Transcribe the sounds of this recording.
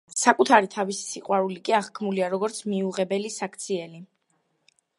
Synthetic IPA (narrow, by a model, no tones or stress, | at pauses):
sakʼut̪ʰaɾit̪ʰavisi̥siqʼwaɾulikʼiaʁkʰmuliaɾɔɡɔɾt̪sʰmiuʁɛbɛlisakʰt̪sʰiɛli